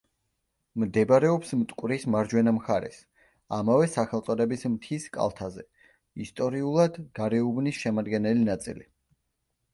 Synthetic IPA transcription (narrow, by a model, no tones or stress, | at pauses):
md̪ɛbɾɛɔpsmt̪ʼkʼwɾismaɾd͡ʒwɛnamχaɾɛ̰s | amavɛsaχɛlˠt̪sʼɔd̪ɛbismt̪ʰiskʼa̰lˠt̪ʰazɛ | ist̪ʼɔɾiulˠad̪ɡaɾɛubnisʃɛmad̪ɡɛnɛlinat̪sʼḭli